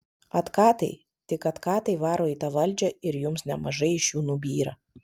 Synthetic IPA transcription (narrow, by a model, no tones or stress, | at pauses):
ɐt̪kɑːt̪ɐɪ | t̪ʲɪkɐt̪kɑːt̪ɐɪʋɑːɾoːiːt̪ɑːʋɐlʲd͡ʒʲɛɪɾjʊmsnʲɛmɐʒɐɪɪʃjuːnubʲiːɾɐ